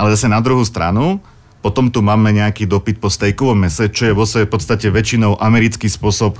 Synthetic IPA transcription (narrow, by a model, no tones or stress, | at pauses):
ʔalɛzasɛnad̪ɾuɦust̪ɾa̰nu | pɔt̪ɔmt̪umaːmɛɲɛakiːd̪ɔpit̪̚pɔst̪ɛjkɔʋɔmːɛsɛt͡ʃɔjɛʋɔsɛɛpɔt̪t͡st̪acɛʋɛt͡ʃinɔʊʔamɛɾit͡skiːspʊɔsɔp